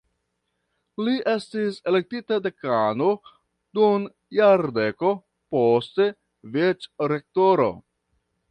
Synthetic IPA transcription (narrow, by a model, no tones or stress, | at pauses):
liʔe̞stise̞le̞k̚titade̞kano | d̥un | jaɾde̞ko̞ | poste̞ | vet͡ʃɾe̞k̚toɾo̞̰